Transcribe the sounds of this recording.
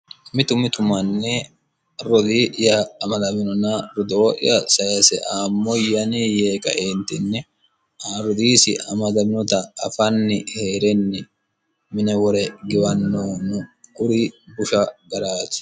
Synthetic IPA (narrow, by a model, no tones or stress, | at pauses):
mɪt̪ʊmɪt̪ʊmɐnːɛ | ɾɔd̪iʔɪjɐːmɐd̪ɐmɪnɔnɐɾʊd̪oːʔɪ̰jɐsɐjɐsɛʔaːmːɔjɐnijeːkʼɐ̰ʔeːnt̪ɪnːɛ | aɾʊd̪iːsɪ̰ɐmɐd̪ɐmɪnɔt̪ɐɐ̰fɐnːɪheːɾɛnːɪ | mɪnɛwɔɾɛɡɪwɐnːoːnʊkʼʊɾibʊʃɐɡɐɾaːt̪ɪ̥